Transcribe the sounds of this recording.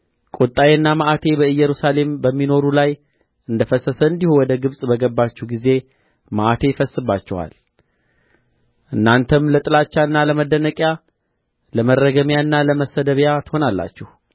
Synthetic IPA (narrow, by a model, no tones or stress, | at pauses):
kʼot̪ʼːajeɨnːamaʔat̪ʰe̞bəɨjːɛɾusale̞mbəmːino̞ɾulaj | ɨnd̪əfəsəsəɨnd̪ihuwɔd̪əɡɨβsʼbəɡəbːat͡ʃːɛhɡize̞ | maʔat̪ʰe̞fəsːɨbːat͡ʃːɛwa̰l | ʔɨnːant̪ʰəmlət̪ʼɨlat͡ʃːaɨnːaləməd̪ːənəkʼja | ləmərːəɡəmjaɨnːaləməsəd̪əβjat̪ɨho̞nalːa̰t͡ʃːɛhu